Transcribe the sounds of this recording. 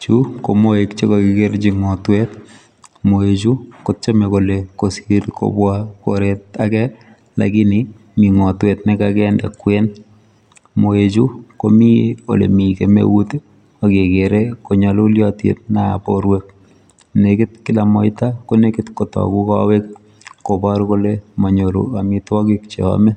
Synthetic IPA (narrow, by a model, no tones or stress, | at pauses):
t͡ʃukomoekt͡ʃekokɪkeɾt͡ʃiŋɔtwet | moet͡ʃukot͡ʃemekolekosiɾko̰bwako̰ɾet̚akɛ | la̰kini | miŋɔtwetnɪkakɛnda̰kːwen | moet͡ʃukomio̰lḛmikemḛwute | akekeɾekoɲɔloljɔtjḛt̚naa̰poɾwek̚ | nekɪtkɪlamɔɪtakonekɪtkotɔ̰kukawek̚ | kobɔɾkolemɔɲoɾṵamitwɔkikt͡ʃḛɔ̰me